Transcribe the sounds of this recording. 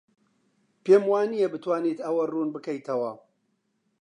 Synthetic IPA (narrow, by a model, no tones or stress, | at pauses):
peːmwaːnijebɨt̪waːniːt̪ɐwɐruːnbɨkɐjt̪ʰɐwɐ